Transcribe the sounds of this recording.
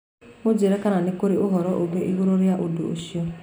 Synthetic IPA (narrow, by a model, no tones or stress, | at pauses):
od͡ʒeɾɛkananikoɾiʔoɦɔɾɔʔoɡeʔiɣoɾoɾiaʔodo̰oʃio